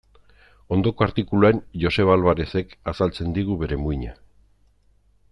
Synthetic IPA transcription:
o̞nd̪o̞ko̞aɾt̪ikuluaenʝo̞se̞β̞alβaɾe̞se̞kasalt͡se̞nd̪iɣ̞uβe̞ɾe̞muiɲa

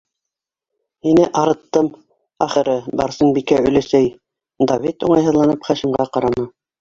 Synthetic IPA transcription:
hinɘʔɑɾɤ̆t̪ːɤm | æχɘ̆ɾɘbɑ̰ɾsɤnbikæɵ̆læsæj | d̪avit̪uɴɑjɦɤ̆ðlˠɑnɤpχæʃĭmʁɑqɑɾɑnɤ

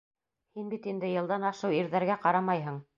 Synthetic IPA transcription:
hinbit̪ind̪ɘjɤ̆lˠd̪ɑnɑʃɤwiɾðæɾɡæqɑɾɑmɑjɦɤ̆ɴ

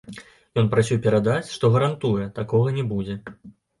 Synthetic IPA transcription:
jɔnpɾasʲuwpʲɛɾad̪at͡sʲʂt̪ɔɣɐɾant̪ujɛt̪akɔɣɐnʲɛbud͡zʲɛ

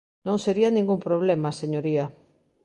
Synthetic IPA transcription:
nõŋseɾianĩŋɡumpɾoβ̞lemaseɲoɾia

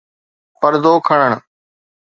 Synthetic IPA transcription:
pəɾd̪oːkʰəɳ̃əɳ̃

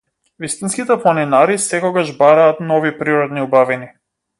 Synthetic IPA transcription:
vist̪inskit̪ɛplˠanɛnaɾisɛkɔɡaʒbaɾaːt̪nɔvipɾiɾɔd̪niubavini

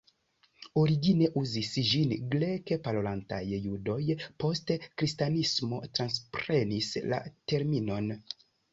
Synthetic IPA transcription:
o̞ɾiɡine̞ʔuzisd͡ʒinɡle̞ke̞palolanta̰jːudo̞jpo̞stekɾistanismo̞tɾanspɾe̞nisla̰te̞ɾmino̞n

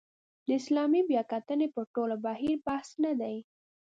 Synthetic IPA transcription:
d̪əɪslɑmibjɑkat̪ənepəɾʈolabaɦiɾbahsnad̪aj

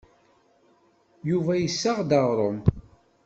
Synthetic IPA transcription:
juvæjəsːaʁd̪ɑʁɾˤom

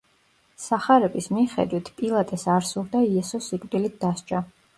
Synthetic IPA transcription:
saχaɾɛbismiχɛ̰d̪wit̪ʰpʼilˠat̪ʼɛsaɾsuɾd̪aiɛsɔsikʼvd̪ilit̪̚d̪̥ast͡ʃʼa

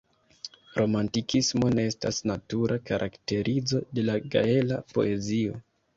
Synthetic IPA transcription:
ɾo̞mantikʰismo̞ne̞estasnatuɾʔakaɾʔa̰kte̞ɾʔizo̞de̞laɡa̰e̞lapo̞̰ʔe̞zio̞

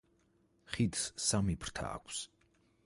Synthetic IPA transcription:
χid̪ssamipʰɾ̥t̪ʰa̰ːkʷʰs

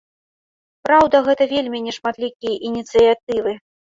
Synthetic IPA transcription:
pɾawd̪ɐɣɛt̪ɐvʲelʲmʲinʲɛʂmat̪lʲikʲijɐʔinʲit̪sɨjat̪̚ɨvɨ

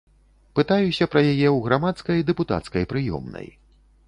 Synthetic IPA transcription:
pɨt̪ajusʲɐpɾɐjajɛwɣɾamat̪skɐjd̪ɛput̪a̰t̪skɐjpɾɨjɔ̰mnɐ̰j

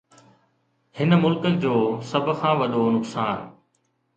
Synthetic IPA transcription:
hɪnəmʊlkəd͡ʑoːsɐb̆ʱkʰãːʋɐɗonʊksaːn

